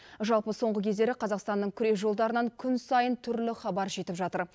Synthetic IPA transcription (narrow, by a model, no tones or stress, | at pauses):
ʒɑlˠpəso̞ɴʁəkʲʰe̞zd̪e̞ɾɪqʰɑzɑqst̪ɑnːəɴkʲʰʏɾe̞sʒo̞lˠd̪ɑɾənɑŋkʲʰʏnsɑjənt̪ʰʏɾlɪχɑbɑɾʒe̞t̪ɪpʒɑt̪əɾ